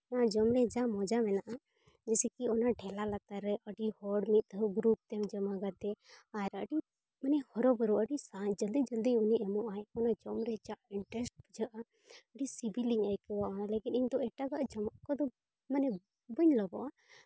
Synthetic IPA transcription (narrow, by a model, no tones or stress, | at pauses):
ɔnad͡ʒɔmɾɛd͡ʒaʔmɔd͡ʒamɛnaʔa | d͡ʒɛsɛkiɔnaɖʰʱɛlalat̪aɾɛʔəɖihɔɽmit̪̚ɔɡɾup̚t̪ɛmd͡ʒəmaɡat̪ɛaɛɾaəɖi | mənɛhɔɾɔbəɾuəɖisad͡ʒəld̪id͡ʒəld̪iuniʔɛmɔʔaɛɔnad͡ʒɔmɾɛd͡ʒaʔiɳʈɾɛsʈ̚bud͡ʒaʔa | əɖisibiliŋajkɛwaʔɔnalɛkiniɲd̪ɔɛʈaɡaʔd͡ʒɔmaʔkɔd̪ɔ | manɛ | bəɲlɔbɔʔa